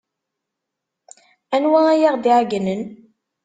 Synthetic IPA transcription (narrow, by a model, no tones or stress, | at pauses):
ænwææjaʁd̪iʕɡnən